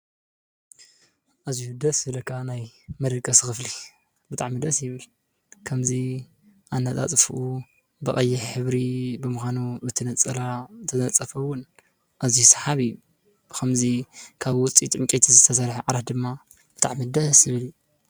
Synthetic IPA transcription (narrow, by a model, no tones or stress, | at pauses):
ʔazijud̪ɐsɨlɐkʰːanajmɐd̪ɐkʼːɐsɨxɨfli | bɨt̪ʰʼaʕmid̪ɐsjɪβɨl | kʰɐmzi | ʔanːat̪ʼa̰t͡sʼfuʔu | bɐʔʼɐjːɪħħɨβɾibɨmɨxʷanubɨt̪ʰɨnɐt͡sʼɐɾat̪ʰɐɐt͡sʼːɐfɐwʊn | ʔaziusḁħaβiju | kʰɐmzikʰaβwʊt͡sʼit̪ʼʕɨŋkʲʼet̪ʰizɨt̪ʰɐsɐɾħaʕaɾat̪̚d̪ɨmːa | bɨt̪ʰʼa̰ʕmid̪ɐsjɪβɨlju